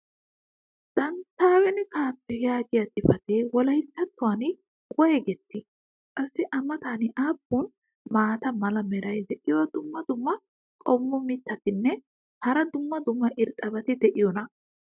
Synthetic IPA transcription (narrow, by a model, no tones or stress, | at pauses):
d̪̥ɐnt̪ːaːwɛnɪkaːpːɛjaːɡɪjɐt̪ʼɪfɐt̪ewɔlɐhɪt̪ːɐt̪ːʊwaːn | kʼɔjɛɡɛt̪ːɪ | kʼɐsːɪʔɐmɐt̪aːnɪʔaːbun | maːt̪ɐmɐlɐmɛɾɐjd̪ɛʔɪjɔwɐd̪ʊmːɐd̪ʊmːɐ | kʼɔmːɔmɪt̪ːɐt̪ɪnːɛ | hɐɾɐd̪ʊmːɐd̪ʊmːɐʔɪɾt̪ʼːɐbɐt̪ɪd̪ɛʔɪjɔnɐ